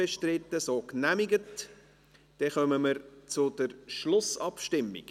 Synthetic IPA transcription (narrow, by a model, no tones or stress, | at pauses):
ɛʃtrɪtːəsoːknæmiɡət | d̥ɛχœməməɾt͡sʊd̥əɾʃlʊsɑpʃtɪmːḭk